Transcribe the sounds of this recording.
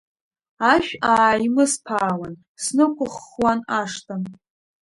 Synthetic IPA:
aʃᶣaːjmɨspʰaːwan | snɨkʷʰʼʊχwanaʂtʼan

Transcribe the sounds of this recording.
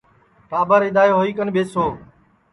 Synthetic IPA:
paːbaɾɪd̪aːeɦoːiːkənbʱeːsoː

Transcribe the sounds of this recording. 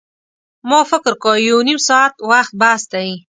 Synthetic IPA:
mofɪkɾkojawnimsɑat̪waxt̪̚bast̪aji

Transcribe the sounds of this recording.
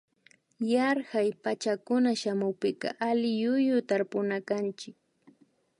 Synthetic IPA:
jaɾhajpat͡ʃakʊnaʃamʊwpɪkɑ̰ʔalɪjʊjʊt̪aɾpʊnakant͡ʃɪk̚

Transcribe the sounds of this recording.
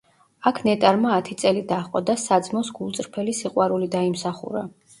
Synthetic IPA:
akʰnɛt̪ʼaɾmaːt̪ʰit̪sʼɛlid̪aχqʼɔd̪asad̪zmɔsɡulˠt̪sʼɾpʰɛlisiqʼwaɾulid̪aimsaχṵɾa

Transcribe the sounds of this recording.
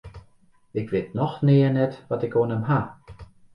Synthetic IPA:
ɪkʋeːtnɔxnɪːənɛtʋɑtɪkoːnəmɦa

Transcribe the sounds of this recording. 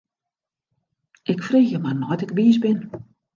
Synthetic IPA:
ɪkfreːxjəmarnɔjtɪkʋiəzbɪn

